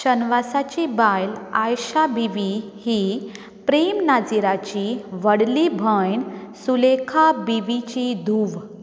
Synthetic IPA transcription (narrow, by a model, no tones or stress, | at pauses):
ɕənʋasat͡ɕibajlajɕabiʋi | hiː | pɾemnad͡ziɾat͡ɕiʋəɽlibʱəjɳsulekʰabiʋit͡ɕid̪ʱuːʋ